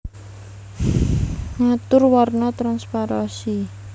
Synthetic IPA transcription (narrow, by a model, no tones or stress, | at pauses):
ŋat̪ʊrwarnat̪ɾanspaɾasi